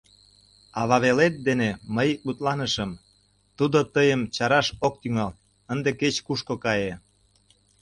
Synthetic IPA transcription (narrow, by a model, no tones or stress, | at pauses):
ɑβɑβelet̪̚d̪eneməjut̪lɑnəʃəm | t̪ud̪ot̪əjəmt͡ɕɑɾɑʃok̚t̪yŋɑl | ənd̪eket͡ɕkuʃkokɑje